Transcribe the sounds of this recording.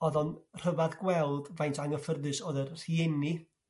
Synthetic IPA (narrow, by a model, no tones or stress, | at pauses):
ɔðɔnr̥əvaðɡwɛlˠd̥vajntʰaŋəfərðɨsɔːðərr̥iɛni